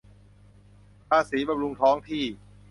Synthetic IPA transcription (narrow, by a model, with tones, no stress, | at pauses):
pʰaː˧siː˩˦ba˧mɾu˧ŋt̪ʰɔː˦˥ŋt̪ʰiː˥˩